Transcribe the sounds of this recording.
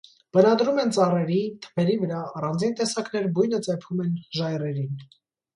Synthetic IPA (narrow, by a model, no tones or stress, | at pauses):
b̥ənɑd̪ɾumɛnt͡sɑrɛɾit̪ʰə̥pʰɛɾivəɾɑːrɑnd͡zint̪ɛsɑknɛɾbujnət͡sɛpʰumɛnʒɑjrɛɾin